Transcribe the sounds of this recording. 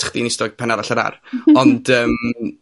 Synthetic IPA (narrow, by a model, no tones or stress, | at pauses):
χd̥inɪstɔɡ̚pʰanaɾaɬaɾa̰rɔnd̥əːm